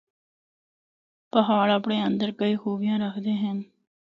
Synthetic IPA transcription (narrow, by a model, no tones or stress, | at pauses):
pəɦaːɽɐpɳeːənd̪əɾkəiːxoːʋɪjãːɾəkʰd̪eːɦɛ̃n